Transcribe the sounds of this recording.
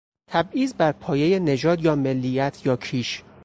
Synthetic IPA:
t̪ʰæbiːzbæɾpʰɒːje̞jene̞d͡ʒɒːd̪jɒːme̞lːijæt̪ʰjɒːcʰiːʃ

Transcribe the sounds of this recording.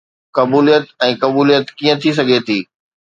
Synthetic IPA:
kɐbuːlijət̪ɛ̃ːkɐbuːlijət̪kiːə̃t̪ʰis̬ɐɡʱet̪ʰiː

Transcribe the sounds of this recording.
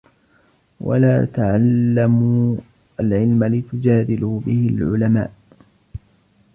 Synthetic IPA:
wa̰laːt̪aʕalːamu | ʔalʕɪlmalɪt̪ʊd͡ʒaːd̪ɪlʊbɪhɪlʕʊ̰lama̰ːʔ

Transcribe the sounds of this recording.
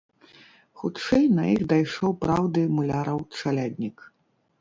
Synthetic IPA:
xut͡ʂɛjnɐjixd̪ajʂɔwpɾawd̪ɨmulʲaɾɐwt͡ʂalʲad̪ʲnʲik

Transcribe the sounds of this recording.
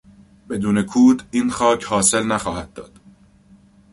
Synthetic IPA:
be̞d̪uːnekʰuːd̪iːnxɒːcʰhɒːse̞lnæxɒːhæd̪̚d̪ɒːd̪̥

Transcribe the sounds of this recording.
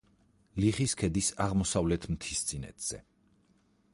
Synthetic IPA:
liχiskʰɛd̪isaʁmɔsavlɛt̪ʰm̩t̪ʰist̪sʼinɛ̰t̪ʰz̥ɛ̰

